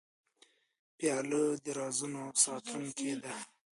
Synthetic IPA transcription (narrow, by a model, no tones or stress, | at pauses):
pjɑləd̪əɾɑzunosɑt̪ʰuŋked̪a